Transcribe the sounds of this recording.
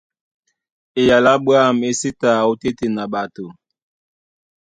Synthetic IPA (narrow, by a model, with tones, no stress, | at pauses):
e˨ja˨la˦bwa˦˨me˦si˦ta˨o˦te˦te˨na˨ɓa˨to˨